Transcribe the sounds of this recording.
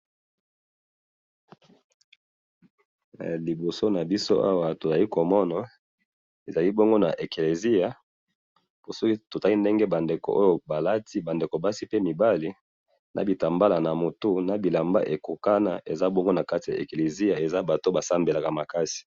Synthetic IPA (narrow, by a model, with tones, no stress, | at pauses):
li˨bo˨so˦na˨bi˦so̰˦ʔa˦wa˦to˨za˨li˦ko˨mɔ˦na˨ | e˨za˨li˦bo˦ŋɡo˦na̰˨ʔe˨ke˨le˨zi˦a˨ | bo˨sɔ˦ki˦to˨ta˦li˦nde˦ŋɡe˦ba˨nde˨ko̰˨ʔo˦jo˦ba˨la˦ti˦ba˨nde˨ko˨ba˦si˦pe˦mi˨ba˦li˦ | nʔa̰˨bi˨ta˨mba˦la˨na˨mo˨tu˦na˨bi˨la˨mba̰˦ʔe˨ko˨ka˦na̰˨ʔe˨za˦bo˦ŋɡo˦na˨ka˦ti˨a̰˨e˨ke˨le˨zi˦a˨e˨za˦ba˨to˦ba˨sa˦mbe˨la˨ka˨ma˨ka˦si̥˨